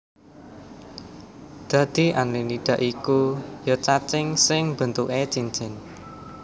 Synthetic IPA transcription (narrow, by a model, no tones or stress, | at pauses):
d̪̥ä̤d̪̥i̤ʔanliniɖ̥ä̤ʔikujɔt͡ʃat͡ʃɪŋsɪŋb̥ə̤nt̪uʔet͡ʃiɲt͡ʃɪn